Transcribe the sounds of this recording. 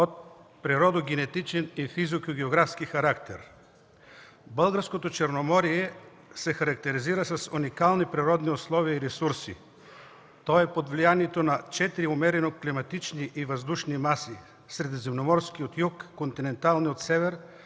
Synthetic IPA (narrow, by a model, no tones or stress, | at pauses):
ot̪̚pɾiɾɔd̪oɡʲɛnɛt̪it͡ʃɛnifizokoɡʲɛoɡɾafskixɐɾakt̪ɛɾ | bəlˠɡəɾskot̪ot͡ʃɛɾnomɔɾiɛ | sɛxɐɾɐkt̪ɛɾiziɾəsɐsunikalˠnipɾiɾɔd̪nioslˠɔviəiɾɛsuɾsḭ | t̪ɔɛpod̪vlijaniɛt̪onɐt͡ʃɛt̪iɾiomɛɾɛnoklimɐt̪it͡ʃniʔivɐzd̪uʃnimasi | sɾɛd̪zɛmnomɔɾsk̟iot̪jukːont̪inɛnt̪alˠniot̪sɛvɛɾ